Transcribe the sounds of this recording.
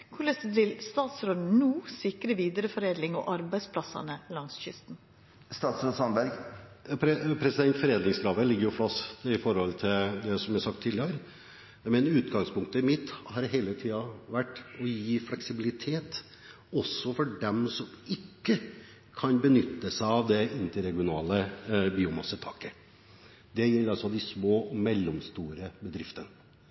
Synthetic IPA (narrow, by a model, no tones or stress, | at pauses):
kʰʊɭeːsd̪ɛt̪ɪlst̪ɑːt̪sɾoːd̪̩nuːsɪkɾəʋiːd̪əɾəfɔɾeːd̪lɪŋɔ̰ʔɑɾbæɪspʰlɑsɑ̰nəlɑŋsçʏst̪n̩ | st̪ɑːt̪sɾoːd̪sɑnbæɾɡpɾɛpʰɾɛsɪd̪ɛnt̪fɔɾeːd̪nɪŋskɾɑːʋəlɪɡːəɾjʊfɑst̪ɪfɔɾhɔlt̪ʰɪld̪ɛsɔmjæɾsɑk̚t̪ʰːɪːlɪəɾ | mɛnʉːt̪ɡɑŋspʰʊŋk̚t̪əɪmɪt̪ːhɑɾɦeɪlət̪ʰiːɑʋæʈːɔjiːflɛksɪbɪlɪt̪ʰeːt̪ | ɔsːɔfɔɖɛmsɔmɪkːə | kʰɑnbənʏt̪ːəsæɪɑʋd̪ɛɪnt̪əɾɛɡɪʊnɑ̰ːləbiːʊmɑsət̪ʰɑːkə | d̪ɛjɛɑsɔd̪ɪsmoːmɛlːɔmst̪uːɾəbəd̪ɾɪft̪ənə